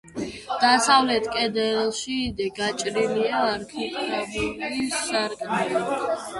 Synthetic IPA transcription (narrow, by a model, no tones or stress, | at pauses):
d̪̥asavlɛt̪ʰkʼɛd̪ɛlˠʃiːd̪ɛɡat͡ʃʼɾiliaːɾkʰit̪ʼɾabilisːaɾkʼnali